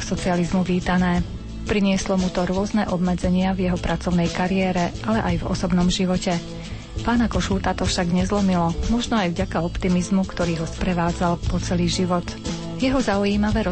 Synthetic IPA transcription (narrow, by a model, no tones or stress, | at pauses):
sɔt͡sializmuʋiːt̪anɛː | pɾiɲɪɛslɔmut̪ɔɾʊɔznɛʔɔbmɛd͡zɛɲɪavjɛɦɔpɾʔat͡sɔʊnɛjkaɾiɛːɾɛʔalɛʔajvɔ̰sɔbnɔmʒiʋɔcɛ | paːnakɔʃuːt̪at̪ɔfʃaɡɲɛzlɔmilɔmɔʒnɔajvɟakaɔpt̪imizmukt̪ɔɾiːɦɔspɾɛʋaːd͡zalpɔt͡sɛliːʒiʋɔt̪ | jɛɦɔzaujiːmaʋɛːɾɔ